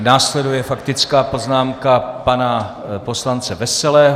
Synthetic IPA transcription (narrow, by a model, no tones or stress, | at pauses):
naːslɛdujɛfakt̪ɪt͡skaːpo̞znaːmkapana | po̞slant͡sɛvɛsɛlɛːɦ